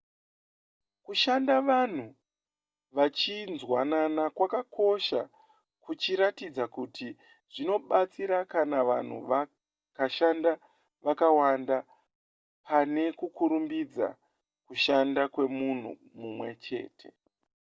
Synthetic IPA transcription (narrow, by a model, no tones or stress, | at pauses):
kuʃandaʋan̤u | ʋat͡ʃinzwananakwakakʰo̞ʃa | kut͡ʃiɾatid͡zakutʰi | ʐ̥ino̞ɓat͡siɾakanaʋa̰n̤ṵʋ | kaʃanda | ʋakawanda | pane̞kukuɾumbid͡za̰ | kuʃandakwe̞mun̤ṵ | mumwe̞̰t͡ʃe̞̰ːtʰe̞̰